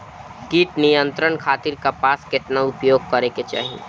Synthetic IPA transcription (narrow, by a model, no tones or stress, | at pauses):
kiːʈnijə̃nt̪ɾənkʰaːt̪ɪɾkapaːskɪt̪naʊpjoːɡ̚kɐɾeket͡ʃa̰ːɦie